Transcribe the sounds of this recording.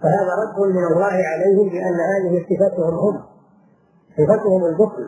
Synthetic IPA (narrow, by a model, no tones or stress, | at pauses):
faɦaːðaːɾˤɑd̪ːʊnmɪnɑlˤːɑːhɪʕalajhɪmlɪʔanːahaːðɪhɪsˤɨfat̪ʊhʊmhʊm | sˤɨfat̪ʊhʊmʊlbʊfl